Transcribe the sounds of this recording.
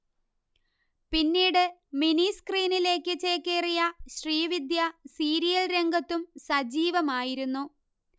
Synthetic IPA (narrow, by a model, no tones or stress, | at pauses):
pinːiːɽɨminiskriːnile̞ːkːɨt͡ɕeːkːerijɐɕriːʋid̪jɐsiːɾijɐlɾe̞ŋɡɐt̪ːumsɐd͡ʑiːʋɐmaːjiɾunːu